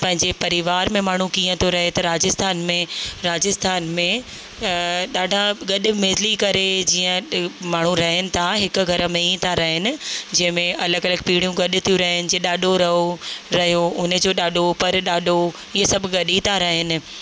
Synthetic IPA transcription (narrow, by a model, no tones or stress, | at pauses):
pɐ̃ɦɪ̃ɲd͡ʑepɐɾɪʋaːɾmẽmaːɳ̤ũkiːə̃t̪ʰjoɾɐɦet̪ɐɾaːd͡ʑɪst̪ʰaːnmẽɾaːd͡ʑɪst̪ʰaːnmẽ | ɗaːɖʱaɡɐɗʊ̆meːzlikɐɾed͡ʑiːə̃maːɳ̤ũɾɐɦɪnɪ̆t̪ʰaɦɪkʊ̆ɡʱɐɾmẽit̪ʰaɾɐɦɪnɪ̆d͡ʑɐ̃ɦɪ̃mẽʔɐləɡɐləɡ̚piːɽijũɡɐɗʊ̆t̪ʰijũɾɐɦɪnɪ̆d͡ʑiə̃ɗaːɗʱoɾɐɦoɾɐɦjoʊnə̆d͡ʑoːɗaːɗʱopɐɾɗaːɗʱo | iɦesɐbʱɡɐɗit̪ʰaɾɐɦɪnɪ̆